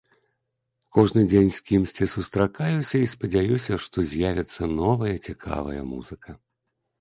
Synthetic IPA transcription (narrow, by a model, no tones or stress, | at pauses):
kɔʐnɨd͡zʲenʲsʲkʲimsʲt͡sʲisust̪ɾakajusʲɐispɐd͡zʲajusʲɐʂt̪ɔzʲjavʲɛt̪sːɐnɔvɐjɐt͡sʲikʰa̰vɐ̰jɐ̰mṵzɨkʰɐ